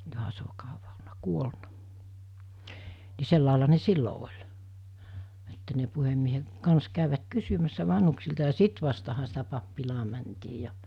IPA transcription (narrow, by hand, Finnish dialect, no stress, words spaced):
johɑ se o kɑuʋɑ olnɑ kuolnɑ ni selːɑˑelɑ ne silːo olʲ etːæ ne puhemːiehe kɑns kæˑyʋæt kysymæsːæ ʋɑnhuksiltɑ jɑ sit ʋɑstɑhɑ sitæ pɑpːilɑː mæntiː jɑ